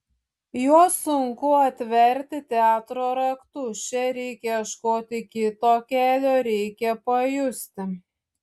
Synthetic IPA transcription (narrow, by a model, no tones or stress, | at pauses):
juɔsʊŋkʊɐt̪ʲʋʲɛɾʲt̪ʲɪt̪ʲɛɑːt̪ɾoːɾɐkt̪ut͡ʃʲɛɾʲɛɪkʲɛɐʃkoːt̪ʲɪkʲɪt̪oːkʲæːlʲoːɾʲɛɪkʲɛpɐjʊsʲt̪ʲɪ